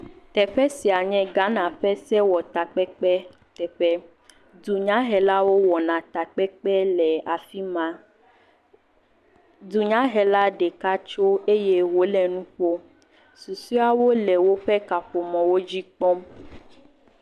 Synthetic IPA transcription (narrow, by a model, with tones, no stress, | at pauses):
t̪ɛ˨ɸɛ˦si˨a˨ɲɛ̃˦ɡa˦nã˨ɸɛ˦sɛ˦wɔ˨t̪a˨k͡pɛ˦k͡pɛ˦ | t̪ɛ˨ɸɛ˦ | du˨ɲã˦ɦɛ˨la˦wo˦wɔ˨nã˨t̪a˨k͡pɛ˦k͡pɛ˦lɛ˨a˨fi˦mã˨˦ | du˨ɲã˦ɦɛ˨la˦ɖe˨ka˦t͡ʃo˦e˦je˦wo˨˦lɛ˨nũ˦ɸo˦ | su˨su˦a˦wo˦lɛ˨wo˦ɸɛ˦ka˨ɸo˨mɔ̃˨wo˦d͡ʑi˦k͡pɔ˦m